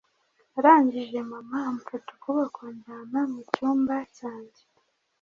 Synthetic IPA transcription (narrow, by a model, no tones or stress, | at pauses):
aɾaːɲɟiʒe̞mamamufato̥kuβakondaːmamucuːmbacaːɲɟe